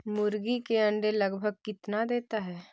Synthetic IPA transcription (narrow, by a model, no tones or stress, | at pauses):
mʊɾɡikeɐ̃ɳɖelɐɡbʱəɡ̚kɪt̪nad̪eːt̪aɦɛː